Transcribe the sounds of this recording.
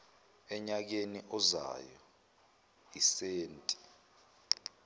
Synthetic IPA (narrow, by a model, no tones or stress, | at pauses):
ɛɲak̬eniʔɔza̰jɔ | iseːntʼi̥